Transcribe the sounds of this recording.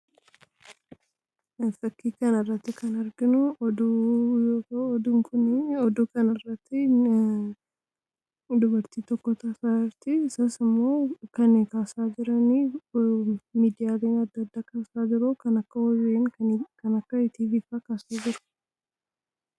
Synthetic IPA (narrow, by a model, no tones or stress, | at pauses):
fɐkːiːkɐnɐrːɐt̪ːɪkɐnɐɾɡɪnʊʔɔd̪ujoːt̪ɐɔd̪ʊŋkʰʊnɔd̪uːkɐnɐrːɐt̪ːɪ | d̪ʊbɐɾt̪iːt̪ɔkːɔt̪aːfaːɪɾt̪ɪsɐsɪmːo̞ːkɐnkaːsaːd͡ʒɪɾɐniː | miːd̪ɪjaːɡeɲːɐɐd̪ːɐd̪ːaːkaːsaːd͡ʒɪɾoːkɐnɐkːɐwɔreːŋɐkɐnɐkːɐɪt̪iːɡɪfaːkaːsad͡ʒɪɾʊ̥